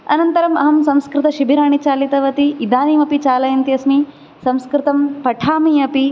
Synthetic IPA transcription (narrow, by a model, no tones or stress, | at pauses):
ɐnɐnt̪ɐɾɐmɐ̰ɦɐmsɐmskɾɪt̪ɐʃibʱiɾaːɳ̃it͡ʃaːlit̪ɐʋɐt̪iːd̪aːniːmɐpit͡ʃaːlɐjɐnt̪iɐsmi | sɐ̃mskɾɪt̪ɐmpɐʈʰaːmiɐpi